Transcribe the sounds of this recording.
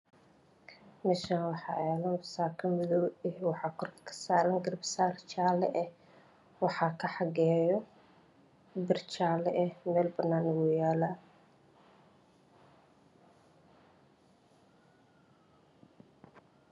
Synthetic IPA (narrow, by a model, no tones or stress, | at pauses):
mɛːʃanwɑħɑʕɛːlɐnfɐsaːkʰɐmɪðɔɛwɑħɑːkʰɔrkʰɐ̥kʰɐ̥saːɾɐŋɡɐɾɐbsaːrt͡ʃaːlɛʔɛ | wɑħɑːkʰɐħɑɡɛːjɔ | bɪrt͡ʃaːlɛʔɛmɛːlbɐnːaːnɪwɔjaːla